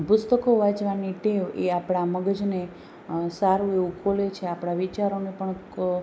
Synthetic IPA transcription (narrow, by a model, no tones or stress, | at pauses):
pʊst̪əkoʋat͡ʃʋaniʈeʋeapɽ̃aməɡəd͡ʒne | saɾũeʋũkʰolet͡ʃʰeapɽ̃aʋit͡ʃaɾonepəɳ